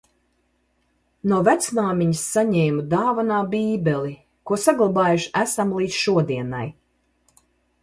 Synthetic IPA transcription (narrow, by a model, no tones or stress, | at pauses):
nuɔvæt̪snaːmʲiɲəsːaɲɛːmud̪aːvanaːbiːbʲɛlˠi | kuɔsaɡlˠabaːjuʃæsamlˠiːt̪sʃuɔd̪iɛna̰j